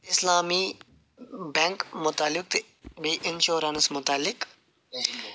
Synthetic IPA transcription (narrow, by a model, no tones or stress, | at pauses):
ɪslaːmiː | bɛ̃ːŋkmʊt̪alːɪk̚t̪e | beːʔɪnʃoːɾənsmʊt̪aːlːɪk